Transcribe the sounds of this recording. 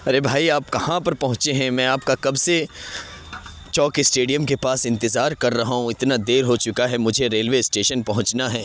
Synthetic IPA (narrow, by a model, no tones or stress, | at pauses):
ɐɾebʱaːiaːp̚kɐhãpɐɾpɐɦʊ̃t͡ʃeɦɛ̃mɛ̃ːaːp̚kakɐbse | t͡ʃɔːkɪsʈeːɖijəmkepaːsɪ̃nt̪ɪzaːɾkɐɾːɐɦɦũɪt̪nad̪eːɾɦot͡ʃʊkaɦɛmʊd͡ʒʱeɾeːlʋeɪsʈeːʃənpɐɦʊ̃t͡ʃnaɦɛː